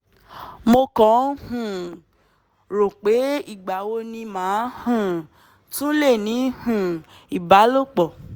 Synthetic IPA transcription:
mo˧kɔ̃˨˦hũ˨ | ɾo˨k͡pe˨˦i˦˨ɡ͡ba˨wo˧nĩ˧mãː˨˦hũ˦˨ | tũ˦le˦˨nĩ˨˦hũ˨ | i˨ba˨˦lo˦˨k͡pɔ˨

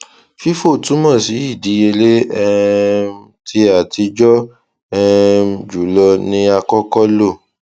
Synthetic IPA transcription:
fi˦fo˦˨tũ˨˦mɔ̃˦˨si˨˦i˦˨di˨˦e˧le˦ɛ˦˧ | tʰi˧˦a˨ti˧d͡ʒɔ˦ | ɛ˦˧d͡ʒu˨˦lɔ˧nĩ˦a˧kɔ˦kɔ˦lo˦˨

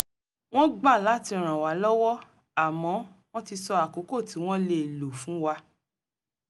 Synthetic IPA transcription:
w̃ɔ̃˦ɡ͡ba˦˨la˨˦ti˧ɾ̃ã˨wa˨˦lɔ˦wɔ˦ | a˦˨mɔ̃˨˦w̃ɔ̃˦ti˧sɔ˧a˨ko˨˦ko˦˨ti˨˦w̃ɔ̃˦le˧˨lo˨fũ˨˦wa˧

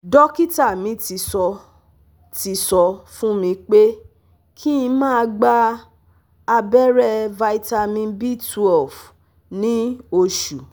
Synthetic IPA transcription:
dɔ˦ki˦ta˦˨mĩ˨˧˦ti˧˦sɔ˧ | ti˧˦sɔ˧fũ˦mĩ˧k͡pe˦ | kʰi˦ĩ˧mãː˦˧ɡ͡ba˧ | a˧bɛ˦ɾɛ˦va˧i˦ta˧mĩ˧nbi˦˨tu˧ɔ˨f | nĩ˦o˧ʃu˨

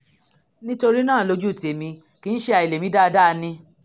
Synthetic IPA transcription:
nĩ˦to˧ɾi˦nãː˦˨lo˧d͡ʒu˦˨ti˨e˨mĩ˧ | ki˨˧n̩˦ʃe˦˧a˧i˨le˨mĩ˧˦da˦˧da˦˧nĩ˧

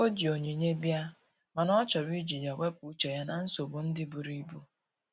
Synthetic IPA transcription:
o˦d͡ʒi˨o˨ɲe˨ɲe˦bja˦ | ma˨nɔ˦t͡ʃɔ˨ɾi˦d͡ʒi˨ɲa˨we˦p̚u˨˦t͡ʃe˨ja˦na˨n̩˦so˨bu˨n̩˦dɪ˦bu˨ɾi˦bu˦

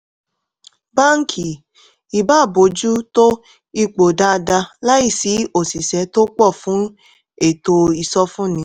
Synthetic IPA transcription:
ba˦ŋ̩˦kʰi˨ | i˨ba˦˨bo˨˦d͡ʒu˦to˦ | i˦˧k͡po˨da˦˧da˧la˦i˦˨si˨˦o˨si˨sɛ˨˦to˦k͡pɔ˦˨fũ˦ | e˦˨to˧i˨sɔ˧fũ˦nĩ˨˦

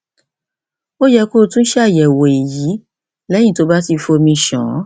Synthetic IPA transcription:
o˦jɛ˧ko˦˧tũ˦n̩˦ʃɛ˦˨jɛ˨wo˨i˨ji˨˦ | lɛ̃˦ĩ˦˨to˨˦ba˦ti˧fo˧mĩ˧ʃɔ̰̃˨˦

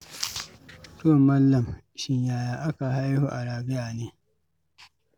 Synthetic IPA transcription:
to˦˨ma˦lːɐ˨m | ʃɪ˦ɲjaː˨jaː˨ʔa˦ka˨ha˦jhṵ˦˨ʔa˨ɾaː˨bɪ˦jaː˨neː˦

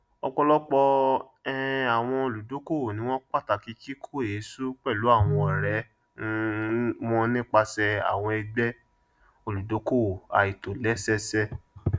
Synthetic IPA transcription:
ɔ̰˧k͡pɔ˧lɔ˦k͡pɔ˧ | ɛ˦a˨w̃ɔ̃˧o˧lu˨do˨˦ko˦˨nĩ˧˦w̃ɔ̃˦k͡pa˦˨ta˨ki˨˧ki˦kʰo˦˨e˨˦su˦k͡pɛ˦˨lu˨˦a˦˨w̃ɔ̃˧ɔ˨ɾɛ˨˦ | mɔ̃˦nĩ˦k͡pa˧sɛ˧a̰˨w̃ɔ̃˧ɛ˧ɡ͡bɛ˦ | o˧˨lu˨do˨˦ko˦˨a̰˨i˨to˨lɛ˨˦sɛ˦sɛ˦

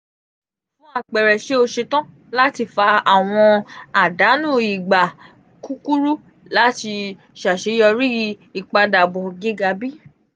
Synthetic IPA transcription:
fũ˨˦a˦˨k͡pɛ˨ɾɛ˨ʃe˨˦o˧ʃe˧tã˦ | la˦ti˧fa˧a˨w̃ɔ̃˧a˨da˨˦nũ˦˨i˨ɡ͡ba˨ | ku˦ku˦ɾu˦ | la˦ti˧ | ʃa˨ʃe˨˦jɔ˧ɾi˦i˨k͡pa˧da˨bɔ̃˨ɡe˦ɡa˧bi˦

